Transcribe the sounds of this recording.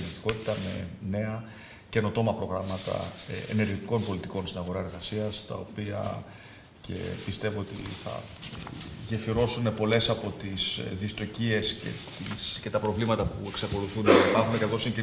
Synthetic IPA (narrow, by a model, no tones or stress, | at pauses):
it̪i̥ko̞t̪i̥t̪ɐme̞ne̞ɐ | ce̞no̞t̪o̞mɐpɾo̞ɣɾɐmɐt̪ɐ̰ḛne̞ɾʝit̪i̥ko̞npo̞lit̪iko̞nst̪inɐɣo̞ɾɐe̞ɾɣɐsiɐst̪ɐ̰o̞piɐ̰ | ce̞̰pist̪e̞voot̪ḭθɐ̰ | ʝe̞fiɾo̞sune̞po̞le̞sɐpo̞t̪isðist̪o̞cie̞sce̞̰t̪isce̞t̪ɐpɾo̞vlimɐt̪ɐpṵe̞ksɐko̞luθunipɐxunekɐθo̞siɲɟi